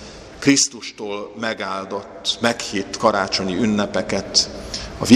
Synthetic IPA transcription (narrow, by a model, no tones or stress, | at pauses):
krist̪uʃt̪oːlmɛɡaːld̪o̞t̪ːmɛkhiːt̪ːkɒɾaːt͡ʃo̞ɲiynːɛpɛkɛt̪ɒ̰vi